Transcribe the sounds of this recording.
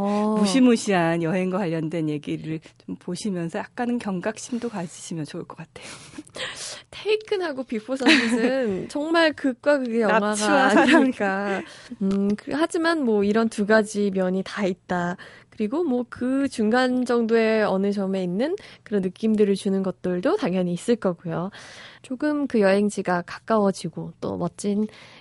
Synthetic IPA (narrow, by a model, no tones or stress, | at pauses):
ʌmuɕʰimuɕʰianjʌɦe̞ŋɡwakwaʎːʌndwe̞nje̞ɡiɾɯɭt͡ɕompoɕʰimjʌnsʰʌjak̚k͈anɯnkjʌŋɡak̚ɕ͈ʰimdokad͡ʑiɕʰimjʌnt͡ɕouɭk͈ʌk͈atʰe̞jo | tʰeikʰɯnɦaɡopipʰosʰʌiɯnt͡ɕʌŋmaɭkɯk̚k͈wakɯɡejʌŋɦwaɡaːɲiɲiik͈a | ɯkɯhad͡ʑimanmwʌiɾʌntuɡad͡ʑimjʌɲitait̚t͈akɯɾiɡomwʌkɯt͡ɕuŋɡand͡ʑʌŋdoe̞ʌnɯd͡ʑʌme̞inːɯnkɯɾʌnːɯk͈imdɯɾɯɭt͡ɕunɯnɡʌt̚t͈ɯɭdotaŋjʌɲiːs͈ɯɭk͈ʌɡujot͡ɕoɡɯmkɯjʌɦe̞ŋd͡ʑiɡakḁk͈awʌd͡ʑiɡot͈o̰mʌt͡ɕ͈in